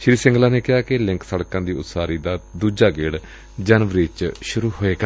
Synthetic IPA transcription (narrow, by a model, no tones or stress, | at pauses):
ʃɪɾiːsɪ̃ŋɡlaːneːkɪɦaːkɪlɪ̃ŋksəɽkãːd̪iːʊt̪saːɾiːd̪aːd̪uːd͡ʒaːɡeːɽ | d͡ʒənʋɾeːt͡ʃʃʊɾuːɦoːeːɡaː